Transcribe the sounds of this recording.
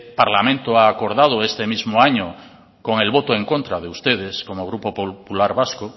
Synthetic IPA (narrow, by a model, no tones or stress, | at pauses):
paɾlamẽnt̪oaːkoɾðað̞oest̪emizmoaɲo | koŋe̞lβot̪oeŋkõnt̪ɾað̞eust̪eð̞eskomoɣ̞ɾupopopulaɾβasko